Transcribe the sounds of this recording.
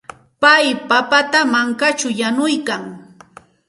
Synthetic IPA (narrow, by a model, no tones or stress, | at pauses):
pajpapat̪amaŋkat͡ʃʊjanʊjkaŋ